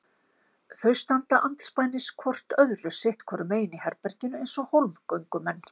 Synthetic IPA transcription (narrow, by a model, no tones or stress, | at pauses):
θœɥst̪ant̪aʔant̪spaːjnɪskʰvɔr̥t̪œðrʏsɪht̪kʰvɔɾʏmeːjɪnihɛɾpɛɾcɪnʏejnsɔhowlmkœɥŋkʏmɛnː